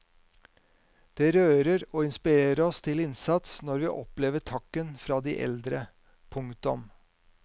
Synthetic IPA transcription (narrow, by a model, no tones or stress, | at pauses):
d̪̥eːɾøːɾəɾoːɪnspɪɾeːɾəɾɔst̪ʰɪlɪnsɑt̪snɔɾʋiːʔɔpleːʋəʈʰɑkːənfɾɑːd̪iːʔɛ̰ld̪ɾə | pʰʊŋt̪ʊm